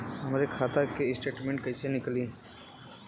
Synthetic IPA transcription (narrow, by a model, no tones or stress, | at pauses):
ɐmɾekʰaːt̪akesʈeːʈmẽɳʈ̚kəisenɪkliː